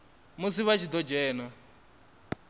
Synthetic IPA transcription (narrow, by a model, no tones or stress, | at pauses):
mus̬iβat͡ʃʰid̪ɔd͡ʒɛːna